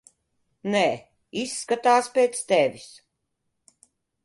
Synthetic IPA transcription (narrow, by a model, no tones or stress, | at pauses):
nɛː | isːkat̪aːspʲeːt̪st̪ɛvʲis